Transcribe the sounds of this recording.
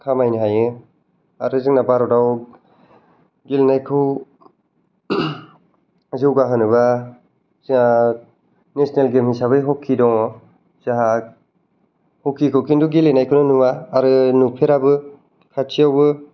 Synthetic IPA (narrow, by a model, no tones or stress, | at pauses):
kʰamajnɯɦajɯ | aɾɯziŋnabaɾɔdaw | ɡilenajkʰɯw | zɯwɡaɦɯnɯβa | zɯŋa | nesnelɡemhisaβɯjɦɔkʰidɔŋ | z̥aɦa | hɔkʰikʰɯwkʰinduɡilenajkʰɯwnɯnuwaːɾɯnupʰeɾabɯ | kʰat͡ʃʰijawbɯ